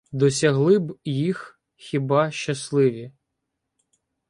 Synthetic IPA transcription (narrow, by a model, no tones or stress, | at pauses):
d̪ɔsʲɐɦlˠɪbjix | xʲibɑʃt͡ʃːɐslˠɪʋʲi